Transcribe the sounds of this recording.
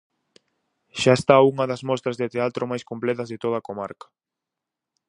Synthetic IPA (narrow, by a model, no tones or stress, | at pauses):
ʃaest̪auŋɐðɐzmɔst̪ɾɐzðet̪eat̪ɾʔomajskomplɛt̪ɐzðet̪oð̞ɐkoma̰ɾkɐ̥